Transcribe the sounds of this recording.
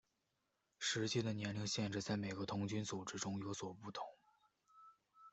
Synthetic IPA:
ʂɻ̩˧˥t͡ɕi˥˩d̪ə˩njɛ˧˥nli˧˥ŋɕjɛ˥˧nʈ͡ʂɻ̩˥˧t͡sa˥˩ɪme˨˩ɪɡə˧˦t̪ʰʊ˧˥ŋt͡ɕy˥nt͡su˨˩ʈ͡ʂɻ̩˥ʈ͡ʂʊ˥ŋjo˧˥ʊswɔ˨˩pu˥˩t̪ʰʊ̥˧˥˦ŋ

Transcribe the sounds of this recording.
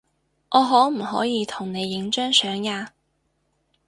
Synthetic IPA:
ʔɔː˨˧ɦɔː˨˥m̩˨˩hɔ̰ː˨˥jiː˨˧t̪ʰʊ˨˩ŋne˨˧jːɪ˨˥ŋt͡ʃœː˥ŋsœː˨˥ŋjaː˧

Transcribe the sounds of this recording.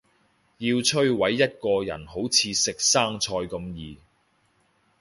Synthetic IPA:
jiː˧wt͡ʃʰɵ˥ɥwɐ˨˥jːɐ˥t̚kɔː˧jɐ̰˨˩nɦo˨˥wt͡sʰiː˨˧sɪ˨k̚saː˥ŋt͡ʃʰɔː˧jkɐ˧mjiː˨

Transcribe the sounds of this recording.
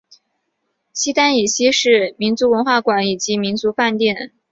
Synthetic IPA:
ɕi˥t̪a˥ni˨˩ɕi˥ʂɻ̩˥˩mi˧˥nt͡su˧˥wə˧˥nxwa˥˩kwa˨˥ni˨˩t͡ɕi˧˥mi˧˥nt͡su˧˥fa˥˧nt̪jɛ˥˩n

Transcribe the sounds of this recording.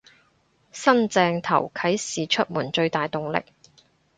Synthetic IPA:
sɐ˥nt͡sɛː˧ŋt̪ʰɐ̰˨˩wkʰɐ˨˥jsiː˨t͡ʃʰɵ˥t̚muː˨˩nt͡ʃɵ˧ɥt̪aː˨jt̪ʊ˨ŋlɪ̰˨k̚

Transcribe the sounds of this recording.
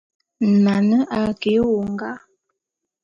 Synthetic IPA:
na˨nə˦ʔa˨ke˨˦wo˨ŋ˦ɡa˦

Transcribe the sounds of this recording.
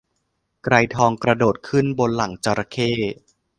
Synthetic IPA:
kɾa˧jt̪ʰɔː˧ŋkɾa˧doː˨˩t̪̚kʰɯ˥˩nbo˧nla˨˩˦ŋt͡ɕa˧ɾa˧kʰeː˥˩

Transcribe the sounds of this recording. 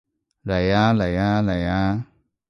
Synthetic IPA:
la˨ja˦la˨jã˦la˨jã˦

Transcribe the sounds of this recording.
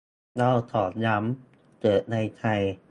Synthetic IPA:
la˥˧˩wt̪ʰɔː˩˦nja˦˥m | t͡ɕɤː˨˩t̪̚na˧jt̪ʰa˧j

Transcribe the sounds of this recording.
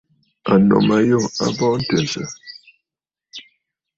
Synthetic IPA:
a˨nɔ̰˨ma˨jɔ˦˨a̰˦bɔ˦n̩˦tɛ˨sə˨

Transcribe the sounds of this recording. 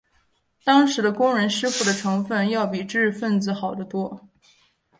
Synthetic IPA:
t̪ɑ˥ŋʂɻ̩˧˥d̪ə˧kʊ˥ŋɻə˧˥nʂɻ̩˥fu˥˩d̪ə˩ʈ͡ʂʰɤ˧˥ŋfə˥˧njɑ˥˩ʊpi˨˩ʈ͡ʂɻ̩˥˩˧fə˥˩nt͡sɹ̩˧˩xɑ˨˩ʊd̪ə˦t̪wɔ˥

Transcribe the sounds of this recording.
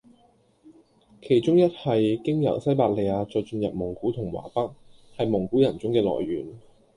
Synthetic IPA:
kʰe˨˩jt͡sʊ˥ŋjɐ˥t̚hɐ˨jkɪ˥ŋjɐ̰˨˩wsɐ˥jpaː˧˩t̚le˨˧jaː˧t͡sɔː˧jt͡ʃɵ˧njɐ˨p̚mʊ˨˩ŋkuː˨˥t̪ʰʊ˨˩ŋwa̰ː˨˩pɐ˥k̚hɐ˨jmʊ˨˩ŋkuː˨˥jɐ˨nt͡sʊ˥ŋkɛː˧lɔ̰ː˨˩jɥyː˨˩n

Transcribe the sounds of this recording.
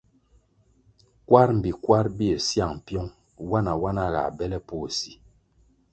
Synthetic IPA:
kwa˦ɾm̩˨bi˨kwa˦ɾbi˦e˨sja˦˨ŋ˨pjɔ˦ŋ | wa˦na˨wa˦na˦ɣa̰˨bɛ˦lɛ˦po˦˨si˨

